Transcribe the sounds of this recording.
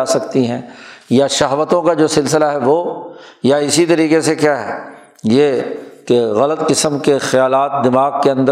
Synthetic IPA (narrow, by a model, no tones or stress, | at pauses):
asɐkt̪iɦɛ̃ːjaʃɐɦʋət̪õkad͡ʒoːsɪlsɪlaɦɛʋoːjaɪsit̪ɐɾiːqesekjaːɦɛ̰ː | jekeɣɐlət̪qɪsəmkexɐjaːlaːt̪̚d̪ɪmaːɡkeɐ̃nd̪ə